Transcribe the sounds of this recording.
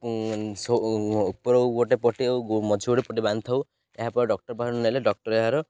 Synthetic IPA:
sopɔɾɔwoʈepɔʈimɔd͡ʒʱioɽepɔʈ̬ibanʰaw | eɦapɔɖɔk̚ʈɔɾpaɦnuneleɖɔk̚ʈɔɾeɦaɾɔ

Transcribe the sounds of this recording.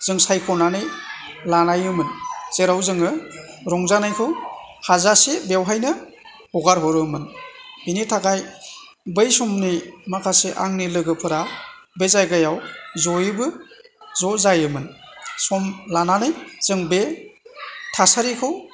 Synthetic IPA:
z̥ɯŋsajkʰɔnanɯj | lanajɯmɯnz̥eɾawzɯŋɯ | ɾɔŋzanajkʰɯwhazasebewɦajnɯ | hɔɡaɾɦɔɾɯmɯnbinitʰakaj | bɯjsɔmnimakʰaseʔa̰ŋnilɯɡɯpʰɯɾa | bezajɡajawzɔjɯbɯzɔzajɯmɯnsɔmlananɯjz̥ɯŋbe | tʰasaɾikʰɯw

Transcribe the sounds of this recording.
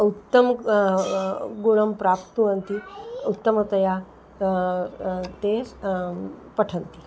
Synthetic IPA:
ut̪ːəm | ɡoɭəmpɾapt̪ũənt̪iut̪ːəmət̪ɐja | t̪es | pəʈʰənt̪i

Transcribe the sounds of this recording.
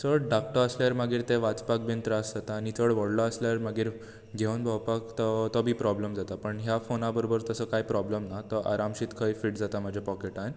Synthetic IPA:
t͡səɽɖak̚ʈəəsljaɾmaɡiːɾt̪eʋat͡spakment̪ɾəəsd͡zat̪aːnit͡səɽʋəɽlɔəsljaɾmaɡiːɾ | ɡʱeənbʱəwpakt̪ɔt̪ɔbʱiːpɾɔbləmd͡zat̪apəɳɦjafonabəɾobəɾt̪əsəkajpɾɔbləmnat̪ɔʔa̰ɾamɕit̪kʰəjfiʈd͡zat̪amad͡ʑʱjapɔkeʈa

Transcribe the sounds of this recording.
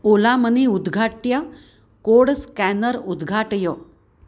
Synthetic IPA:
olaməniud̪ɡʱaʈja | koɽskænəɾud̪ɡʱaʈjɔ

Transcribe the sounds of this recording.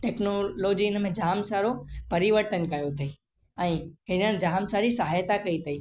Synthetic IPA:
ʈeːknoloːd͡ʑiɪnə̆mẽd͡ʑʱaːmsaːɾopɐɾiʋəɾt̪ənkɐjot̪ʰɐi | ɛ̃ːɦɪnəd͡ʑaːmsaːɾisɐɦaːjt̪akɐit̪ʰɐiː

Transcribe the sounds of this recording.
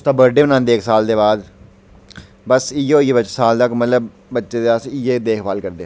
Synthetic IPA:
ʊst̪aːbəɾɖeːbənãːnd̪eːksaːld̪eːbaːd̪ | bəsiːeoːieːbət͡ʃːsaːlt̪əkmət̪ləbː | ətːʃeːd̪eːəsieːd̪eːkʰbaːlkəɾd̪eː

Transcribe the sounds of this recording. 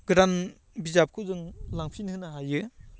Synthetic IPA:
ɡɾan | bizap̚kʰɯwzɯŋlaŋpʰinhɯnaɦajɯ

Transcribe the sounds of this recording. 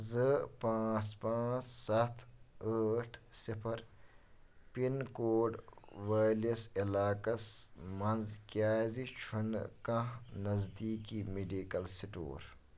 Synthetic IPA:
zɨpãːt͡spãːt͡ʃsɐt̪ʰəːʈʰsipʰɐɾ | pinkoːɖʋaːlisilaːkɐsmɐnzkʲaːzit͡ʃʰunkɐ̃nɐzd̪iːkimiɖiːkɐlsiʈo̰ːɾ

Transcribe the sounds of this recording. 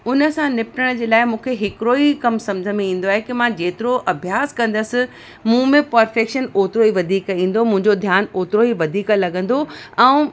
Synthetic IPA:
ʊnə̆sãnɪpʈəɽ̃d͡ʑeːlaːɪmũːkʰeɦɪkɪɾoikɐmsɐ̃md͡ʑʱəmẽĩːn̆d̪oaːɦekimãd͡ʑeːt̪ɪɾoʔɐbʱjaːskɐ̃nd̪əsɪ̆ | mũːmẽpɐɾfeːkʃənoːt̪ɪɾoiʋɐd̪ʱiːkĩːn̆d̪omũɦɪ̃ɲd͡ʑod̪ʱjaːnoːt̪ɪɾoiʋɐd̪ʱiːklɐɠə̃n̆d̪oɛ̃ː

